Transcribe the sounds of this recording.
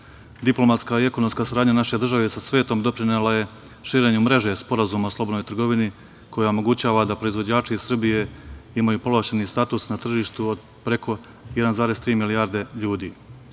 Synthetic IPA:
d̪iplˠo̞mat̪skaie̞kono̞mskaːsaɾaːd̪ɲanaʃe̞d̪r̩ʒaʋesasʋe̞ːt̪o̞md̪o̞pɾinelaje̞ | ʃiːɾe̞ɲumɾe̞ʒe̞spo̞ɾazuːmaslˠo̞bo̞d̪nojt̪r̩ɡo̞ʋini | kʰo̞jaomo̞ɡut͡ɕaːʋad̪apɾo̞izʋo̞d͡ʑaːt͡ʃiisr̩bije̞imajupo̞lˠaʃenist̪aːt̪usnat̪r̩ʒiːʃt̪uod̪ | pɾe̞kʰo̞ | jed̪anzaːɾe̞st̪ɾiːmiliaːɾd̪e̞ʎuːd̪iː

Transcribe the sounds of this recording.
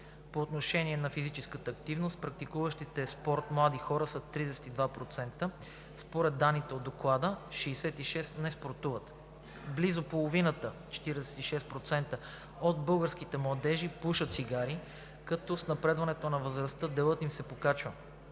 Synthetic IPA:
poːt̪noʃɛniɛnɐfizit͡ʃɛskət̪əːkt̪ivnost̪̚pɾɐk̚t̪ikuvəʃt̪it̪ɛspɔɾt̪mlˠad̪ixɔɾəsɐt̪ɾid̪ɛsɛ̥t̪id̪vapɾot̪sɛnt̪ə | spoɾɛd̪ːanːit̪ɛod̪ːoklˠad̪əʃiːsɛt̪iʃɛst̪nɛspoɾt̪uvət̪ | blizopolˠovinət̪ət͡ʃɛ̥t̪iɾɛɛsɛ̥t̪iʃɛst̪̚pɾot̪sɛnt̪ə | od̪bɤlˠɡəɾsk̟it̪ɛmlˠɐd̪ɛʒipuʃət̪siɡaɾi | kɐt̪ɔsnɐpɾɛd̪vɐnɛt̪onɐvəzɾɐst̪əd̪ɛlˠət̪imsɛpokat͡ʃvə

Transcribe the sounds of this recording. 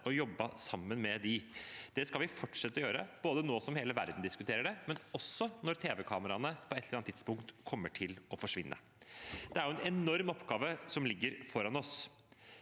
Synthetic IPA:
ʔɔjɔbːəsɑmːənmɛd̪ɪd̪̥ɛskɑlʋɪfɔʈʂɛt̪ːɔjøːɾə̰b̥oːd̪ənoːsɔmheːləʋæ̰ɾd̪n̩d̪ɪskʉt̪ʰeːɾəɖɛmɛnɔsːɔnɔɾt̪ʰeːʋɛkʰɑːməɾɑnəpʰɔɛt̪ʰləɾɑnt̪ʰɪd̪spʊŋkt̪kʰɔmːəʈʰɪlɔfɔʂʋɪnːʔə̰ | d̪ɛæɾjʊɛnɛnɔɾmɔpːɡɑːʋəsɔmlɪɡːəɾfɔɾɑnɔs

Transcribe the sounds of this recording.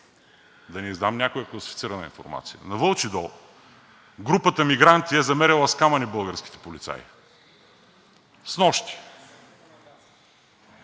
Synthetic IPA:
d̪ɐnizd̪amnʲakojəklˠɐsi̥fit̪siɾɐnə̰ḭnfo̰ɾma̰t̪sijə̰nɐvɤlˠt͡ʃid̪ɔ | ɡɾupət̪əmiɡɾant̪iɛzɐmɛɾɛlˠɐskamɐnibɤlˠɡəɾsk̟i̥t̪ɛ̥polit̪sa̰j | snɔʃt̪i̥

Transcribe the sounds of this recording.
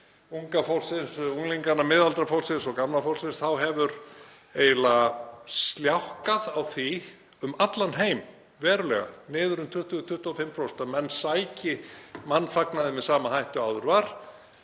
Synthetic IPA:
uŋkafɔwlsɪnsuŋliŋkanːamɪðalt̪ɾafowlsɪnsɔɣkamlafowlsɪnsθawɦɛvʏɾ | eːjlast̪ljawhkaðawθi | ʏmat̪lanɦeːjm | vɛːɾʏlɛ̰ɣa̰nɪːðʏɾʏmt̪ʰʏht̪ʏt̪ʰʏht̪ʏɔfɪmpʰɾowst̪amɛnːsaːjcɪmanːfaknaðɪmɛðsaːmahajht̪ʏawðʏɾvaɾ̥

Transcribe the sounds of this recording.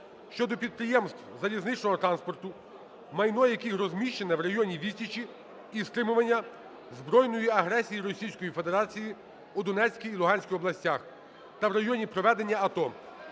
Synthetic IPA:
ʃt͡ʃɔd̪ɔpʲid̪̚pɾɪjɛmst̪wzɐlʲiznɪt͡ʃnɔɦɔt̪ɾɑnspɔrt̪ʊ | mɐjnɔjjɐkixɾɔzʲmʲiʃt͡ʃenɛʋrɐjɔnʲiʋʲitʲit͡ʃi | ist̪ɾɪmʊʋɐnʲːɐ | zbɾɔjnɔjiɐɦɾɛsʲijiɾɔsʲijsʲkɔjife̞d̪eɾɑt͡sʲiji | ud̪ɔnɛt͡sʲsʲkʲijːlˠʊɦɑnʲsʲkʲiɔblˠɐsʲtʲax | t̪ɐwɾɐjɔnʲipɾɔʋɛd̪e̞nʲːɐːt̪ɔ

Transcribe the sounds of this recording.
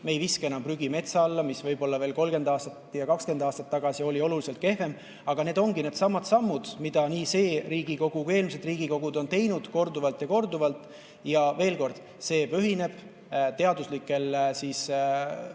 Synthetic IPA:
me̞jviske̞nɑmpryɡ̥ime̞t̪sɑɑlːɑmisvɤjb̥o̞lːɑve̞ːlko̞lɡe̞nd̪ɑːst̪ɑt̪jɑkɑkske̞nd̪ɑːst̪ɑt̪ːɑɡ̥ɑsio̞lʲio̞lulise̞lt̪̚ke̞ɦve̞m | ɑɡ̥ɑne̞ːd̪o̞ŋɡine̞ːd̪̥sɑmːɑd̪sɑmːud̪̥mid̪̥ɑniːse̞ːɾiːɡ̥iko̞ɡ̥uke̞ːlmised̪riːɡ̥iko̞ɡ̥ud̪o̞nt̪e̞jnud̪̥ko̞rd̪uvɑlt̪jɑko̞rd̪uvɑlt̪ːˑ | jɑve̞ːlko̞rd̪̥ | se̞ːpøɦine̞b̥ | t̪e̞ɑd̪uslikːˑe̞lsiːs

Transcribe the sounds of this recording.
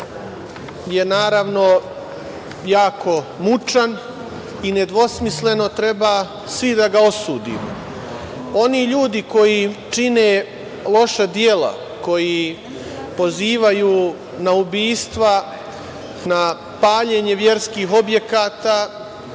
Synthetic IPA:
je̞naːɾaʋno̞ | jaːkʰo̞ | mut͡ʂan | ine̞d̪ʋo̞smisle̞no̞t̪ɾe̞baː | sʋid̪aɡao̞suːd̪ḭːmo | o̞niʎuːd̪iko̞jit͡ʃineː | lˠo̞ʃad̪jeːla̰ | ko̞ji | po̞ziːʋajuː | naubiːst̪ʋa | na | paːʎeɲe̞ʋje̞ɾskiːɦo̞bje̞kaːt̪aː

